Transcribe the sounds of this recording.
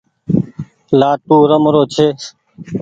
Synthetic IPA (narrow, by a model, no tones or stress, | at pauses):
laːpuːɾəmɾoːt͡ʃʰeː